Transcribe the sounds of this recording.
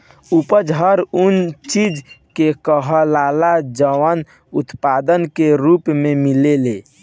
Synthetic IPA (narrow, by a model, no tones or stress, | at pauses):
upəd͡ʒɦəɾunt͡ʃid͡ʒkekəɦəlalad͡ʒəʋən | ut̪pad̪ənkeɾupmemilele